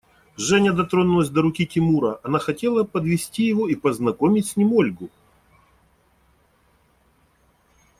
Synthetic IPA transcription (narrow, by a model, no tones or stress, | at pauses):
ʐɛnʲəd̪ɐt̪ɾo̞nʊlˠəsʲd̪ɐɾʊkʲitʲɪmuɾəʔɐnaxɐtʲe̞lˠəpəd̪vʲɪsʲtʲijɪvo̞ipəznɐkomʲɪtʲsʲnʲimolʲɡʊ